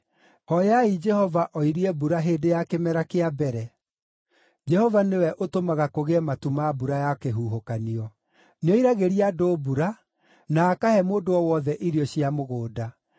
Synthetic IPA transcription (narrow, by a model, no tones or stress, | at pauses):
hɔjaid͡ʒɛhɔvaʔɔiɾiɛbuɾaɦeːdejakemɛɾakeabɛɾɛ | d͡ʒɛhɔvanewɛʔotomaɣakoɣeɛmatumabuɾajakeɦuːɦokaniɔ | neɔiɾaɣeɾiadobuɾa | naːkahɛmoːdoɔwɔðɛʔiɾiɔɕiamoɣoːda